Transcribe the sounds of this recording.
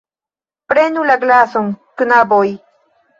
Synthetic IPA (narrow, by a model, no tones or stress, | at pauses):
pɾenulaɡlasoŋkɨnaboj